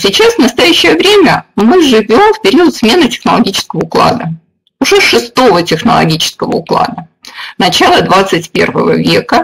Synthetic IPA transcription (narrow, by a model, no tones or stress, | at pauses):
sʲɪt͡ɕasvnəst̪ɐjæɕːəjəvɾʲemʲəmɨʐɨvʲo̞mfpʲɪɾʲiət̪smʲe̞nɨtʲɪ̥xnəlˠɐɡʲit͡ɕɪ̥skəvəʊklˠa̰d̪ə | ʊʐɛʂɨst̪o̞vətʲɪxnə̰lˠɐ̰ɡʲit͡ɕɪ̥skəvə̰ʊklˠa̰d̪ə | nɐt͡ɕalˠəd̪vat̪sɨtʲpʲe̞̰rvə̰və̰vʲekə